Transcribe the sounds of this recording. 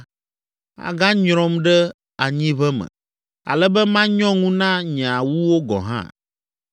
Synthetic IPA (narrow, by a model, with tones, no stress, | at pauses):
a̰˨ɡã˦ɲɾɔ̃˦mɖɛ˦ | a˨ɲĩ˦βɛ˦mɛ̰̃˨ | a̰˨lɛ˦bɛ˦mã˦ɲɔ̃˦ŋũ˦nã˦ɲ˨a˨wu˦wo˦ɡɔ̰̃˨ɦã̰˦